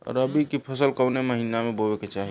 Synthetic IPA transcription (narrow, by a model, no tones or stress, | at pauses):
ɔ̰ɾəbikipʰəsəlkəwneməɦinamebobɛket͡ʃaɦi